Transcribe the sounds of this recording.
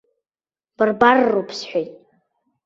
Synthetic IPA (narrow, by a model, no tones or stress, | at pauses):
b̥ɨrbarːupʰsħʷᶣajtʼ